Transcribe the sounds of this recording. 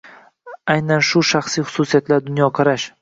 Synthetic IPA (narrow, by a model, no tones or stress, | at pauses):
ajnanʃʊʃaχsijχʊ̥susijat̪laɾd̪ʊnjɒqʰɑɾaʃ